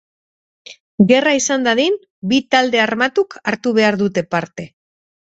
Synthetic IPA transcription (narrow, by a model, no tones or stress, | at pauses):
ɡe̞raisand̪aðin | bit̪ald̪e̞armat̪ukaɾt̪uβe̞aɾðut̪e̞paɾt̪e̞